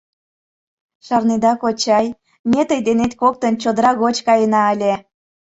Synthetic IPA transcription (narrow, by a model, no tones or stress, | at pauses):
ʃɑrnid̪ɑkot͡ɕɑj | mʲet̪əjd̪enet̪kok̚t̪ənt͡ɕod̪əɾɑɣot͡ɕkɑjənɑəlʲe